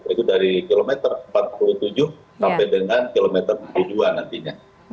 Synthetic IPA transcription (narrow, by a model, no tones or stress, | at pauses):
it̪udaɾikilomɛt̪ərəmpat̪̚pulut̪ud͡ʒʊh | sampajdəŋankilomɛt̪ərulud͡ʒuanːant̪iɲa